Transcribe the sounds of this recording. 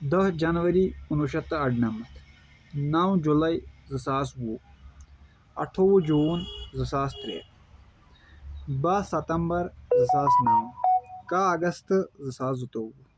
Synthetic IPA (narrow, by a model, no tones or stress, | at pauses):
d̪ɐɦd͡ʒɐnʋɐɾiunuʃɐt̪ːɐɐɖnɐmɐt̪ʰ | nawd͡ʒulɐizɨsaːswu | ɐ̰ʈʰowud͡ʒuːnzɨsaːst̪ɾḛːt̪ | basɐt̪ɐmbɐɾzɨsaːsnawkaːɐɡɐst̪zɨsaːzut̪owu